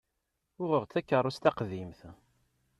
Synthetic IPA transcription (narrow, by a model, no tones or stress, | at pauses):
ʊʁəʁt͡sːækːərˤːʊst̪æqðimθ